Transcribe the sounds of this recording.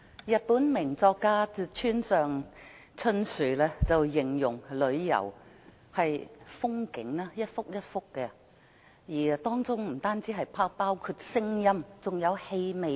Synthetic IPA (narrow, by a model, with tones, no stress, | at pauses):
jɐ˨t̚puː˨˥nmɪ˨˩ŋt͡sɔː˧kːaː˥˧t͡ʃʰyː˥nsœː˨ŋ | t͡sʰɵ˥nsyː˨˩lɛ˥t͡sɐ˨wjɪ˨˩ŋjʊ˨˩ŋlɵ˨˧ɥjɐ̰˨˩w | hɐ˨jfʊ˥ŋkɪ˨˧˥ŋlaː˥jɐ˥t̚fʊ˥k̚jɐ˥t̚fʊ˥kːɛ˧ | jiː˨˩t̪ɔː˥ŋt͡sʊ˥ŋm̩˨˩t̪aː˥nt͡siː˨˥ɦɐ˨jpʰaː˥paː˥wkʰuː˧t̚sɪ˥ŋjɐ˥mt͡sʊ˨ŋjɐ˨˧whe˧jme˨